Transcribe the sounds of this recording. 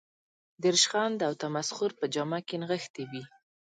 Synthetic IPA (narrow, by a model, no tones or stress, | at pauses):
d̪ɪɾʃxɑnd̪əawt̪amasxʊɾpəd͡ʒɑmakenɣəxt̪ewi